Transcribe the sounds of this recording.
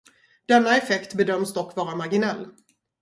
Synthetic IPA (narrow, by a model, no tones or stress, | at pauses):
d̪̥ɛnːaɛfɛkt̪bɛd̪œmsd̪ɔkːvɑːɾamaɾɡɪnɛlː